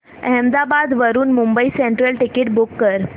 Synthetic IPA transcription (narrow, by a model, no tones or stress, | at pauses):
əɦɛmd̪abad̪ʋəɾuːnmumbəiseɳʈɾəlʈɪkeʈbʊkːəɾ